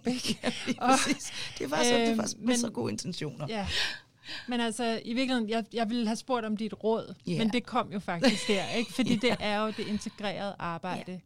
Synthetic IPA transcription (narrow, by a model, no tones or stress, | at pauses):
b̥e̥ɒisd̥ebɑ̈dmenɡo̝̰ːent͡sʰenɕo̝̰ːnɐjæ | menælsɒiʋiɐɡ̥lihe̝njɑ̈ɪjɑ̈ɪʋe̝lhæsb̥o̝ɐ̰ɾ̥ɒ̽md̥id̥ʁɔð̞̰ˠmend̥e̝kʰɒ̽m̰jo̝fɑ̈ɡ̥isɡ̥d̥æɐ̰eɡ̥fɒ̽d̥ḭːd̥e̝ʔæɐjo̝d̥e̝e̝nt͡sʰe̝ɡ̥ʁɛ̰ːɐð̞̩ˠəʔɑ̈ːb̥ɑ̈ɪ̰d̥ə